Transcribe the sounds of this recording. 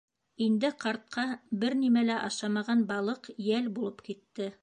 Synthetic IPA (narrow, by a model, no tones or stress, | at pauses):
ind̪ɘqɑɾt̪̚qʰɑbɘɾnimælæʔɑʃɑmɑʁɑnbɑlˠɤqjælbulˠɤpkit̪ːɘ